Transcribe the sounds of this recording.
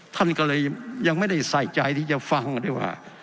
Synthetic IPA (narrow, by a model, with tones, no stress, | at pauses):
t̪ʰa˥˩nkɔː˥˩lɤː˧jja˧ŋma˥˩jda˥˩jsa˨˩jt͡ɕa˧jt̪ʰiː˥˩t͡ɕa˨˩fa˧ŋda˥˩jwa̰ː˥˩